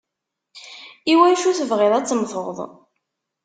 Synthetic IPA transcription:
iwæjʃuθəvʁɪðˤæt͡sːmθoðˤ

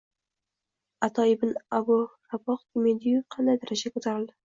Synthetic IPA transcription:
at̪ʰɒɪbɪnabʊɾabɒqk̪ɪmed̪ijʊqʰɑnd̪ad̪aɾad͡ʒakot̪ʰaɾɪld̪ɪ̥

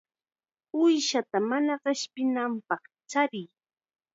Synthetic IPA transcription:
ʊjʃat̪amanaɢɪʃpɪnampɑχt͡ʃaɾɪj

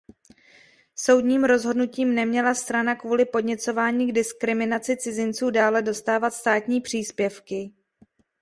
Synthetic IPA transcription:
so̞wdɲiːmɾo̞zɦo̞dnuciːmnɛmɲɛlast̪ɾanakvuːlɪpo̞dɲɛt͡so̞vaːɲiːɡdɪskɾɪmɪnat͡sɪt͡sɪzɪnt͡suːdaːlɛdo̞st̪aːvat̪st̪aːt̪ɲiːpr̝̥iːspjɛfkɪ

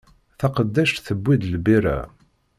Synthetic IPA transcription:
θɑqəd̪ːæʃt̪θəbʷːid̪lbiɾæ̰

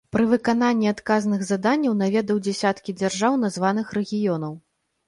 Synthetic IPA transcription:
pɾɨvɨkan̪anʲːiat̪kaznɨɣzad̪anʲːɐwn̪avʲɛd̪ɐwd͡zʲɛsʲat̪kʲid͡zʲarʐawn̪azvanɨxrɛɣʲijɔnɐw

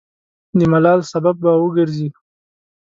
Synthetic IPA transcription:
d̪əmalɑlsabab̚ːawəɡəɾzi

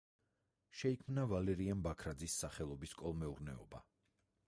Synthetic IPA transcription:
ʃɛikʰmnavalɛɾiambakʰɾad̪zisːaχɛlˠɔbiskʼɔlˠmɛuɾnɛɔ̰ba̰

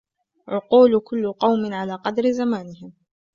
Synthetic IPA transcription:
ʕʊquːlkʊlːʊqɑwmɪnʕalaːqɑd̪ɾɪzamaːnɪhɪm

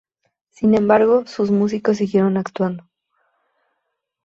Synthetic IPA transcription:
sinẽ̞mbaɾɣo̞suzmus̬iko̞s̬ːiɣje̞ɾo̞nakt̪wand̪o

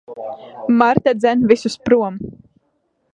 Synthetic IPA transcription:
maɾt̪ad̪zɛnvʲisuspɾuɔm

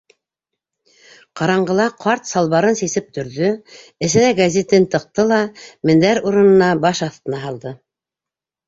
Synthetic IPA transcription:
qɑɾɑɴɢɤ̆lˠɑqʰɑɾt̪sɑlˠβɑɾɤnsisɘp̚t̪ʰɵ̆ɾðɵɘ̆sɘ̆næɡazʲet̪ɘnt̪ɤ̆q̚t̪ɤlˠɑmɘ̆nd̪æɾuɾɤ̆nɤ̆nɑbɑʃɑθt̪ɤ̆nɑɦɑlˠd̪ɤ

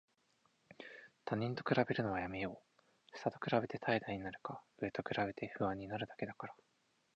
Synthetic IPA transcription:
t̪ʰaɲ̟ĩnt̪o̞̥kɯ̟ɾabe̞ɾɯ̟no̞βajame̞jo̞ː | sɨ̥t̪at̪o̞kɯ̟ɾabe̞t̪e̞t̪ʰaid̪aiɲ̟inaɾɯ̟kaɯ̟e̞t̪o̞kɯ̟ɾabe̞t̪e̞ɸɯ̟βãɲ̟ːinaɾɯ̟d̪ake̞d̪akaɾa

